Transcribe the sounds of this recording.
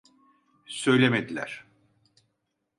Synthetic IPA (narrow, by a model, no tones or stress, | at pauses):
sø̞jlʲemed̪ilʲæ̰ɾ̥